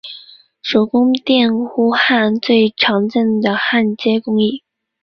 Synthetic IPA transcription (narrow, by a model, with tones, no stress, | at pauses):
ʂo˨˩ʊkʊ˥ŋt̪jɛ˥˩nxu˥xa˥˧nt͡swe˥˩ɪʈ͡ʂʰɑ˧˥ŋt͡sə˥˩ŋd̪ə˩xa˥˩nt͡ɕjɛ˥kʊ˥ŋi˥˩